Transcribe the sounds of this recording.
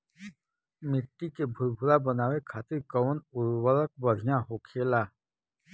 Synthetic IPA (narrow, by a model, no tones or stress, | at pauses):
mɪʈːikebʱʊɾbʱʊɾabənaːwekʰaːt̪ɪɾkəːnʊɾwəɾək̚bəɽʱijãɦokʰeːlaː